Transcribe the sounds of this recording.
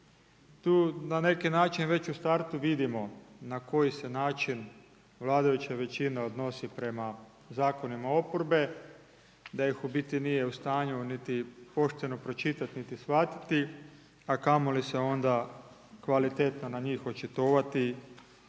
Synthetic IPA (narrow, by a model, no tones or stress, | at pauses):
t̪uːnane̞kinaːt͡ʃinʋe̞t͡ɕust̪aɾt̪uʋid̪imo̞nako̞jise̞naːt͡ʃin | ʋlˠaːd̪ajut͡ɕeʋe̞t͡ɕineo̞d̪no̞sipɾe̞ma | zaːko̞nimao̞poɾbe̞ | d̪ajixubit̪inije̞ust̪aːɲunit̪ipo̞ʃt̪eno̞pɾo̞t͡ʃit̪at̪nit̪isʋat̪i̥t̪i | akamoliseo̞nd̪a | kʋalit̪et̪nanaɲiːxo̞t͡ʃet̪oʋat̪i